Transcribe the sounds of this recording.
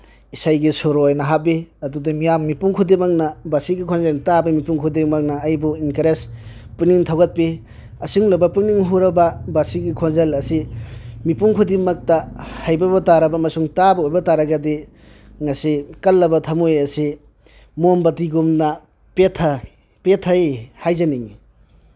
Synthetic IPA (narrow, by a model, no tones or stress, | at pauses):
isajɡisoɾojnɐɦabeɐdudimijamːipuŋkʰudemaknɐbasiɡikʰonzeltabɐmipuŋkʰudimɐk̚nɐːjbuinkɐɾes | pɯniŋtʰawɡɐt̚pi | ɐsuŋlɐbɐpɯŋniŋɦuɾɐbɐbasiɡikʰonzelɐsimipuŋkʰudimɐk̚tɐhajbɐbɐtaɾɐbɐmɐsuŋtabɐojbɐtaɾɐɡɐdi | ŋɐsikɐlːɐbɐtʰɐmojɐsi | mombɐtiɡumnɐ | petʰɐ | petʰɐjhajzɐniŋi